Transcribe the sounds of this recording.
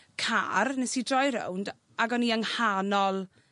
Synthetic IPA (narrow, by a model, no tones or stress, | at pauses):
kʰa̰rnɛsidrɔjɾɛ̰wnd | aɡɔniəŋhanɔlˠ